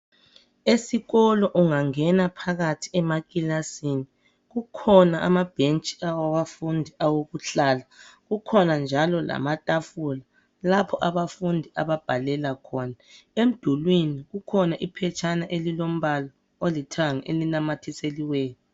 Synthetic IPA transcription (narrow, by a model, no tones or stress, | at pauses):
esiɣɔlɔʔuŋaŋɛnapʰaɣatʰi̥ɛmaɣʼilasini | ɣukʰɔnaʔamab̥ʱent͡ʃʼi̥awaβafundʱiʔawoɣuɬaːlaɣukʰɔnand͡ʒʱalɔla̰matʼafula | lapʰɔʔaβafundʱiʔaβab̥ʱalɛlakʰɔːna | em̩d̥ʱulwiniɣukʰɔnaʔipʰɛt͡ʃʰʼanaʔelilom̩βalɔ | olitʰaŋḛlinamatʰiseliweːnɔ